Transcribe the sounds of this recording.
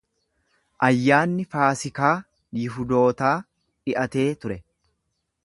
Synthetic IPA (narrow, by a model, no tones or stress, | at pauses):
ʔɐjːaːnːɪfaːsɪkaː | jɪɦʊd̪o̞ːt̪aː | ᶑɪʔɐt̪e̞ːt̪ʊɾɛ